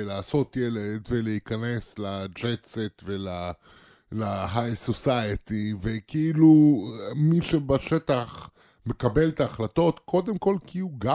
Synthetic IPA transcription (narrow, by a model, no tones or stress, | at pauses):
laːso̞t̪jeledve̞leikane̞slad͡ʒeset̪vela | laɦajsosajet̪ivekeilumiʃebaʃet̪aχ | me̞kabe̞lt̪aːχlato̞t̪kʰo̞d̪emko̞lkiuɡa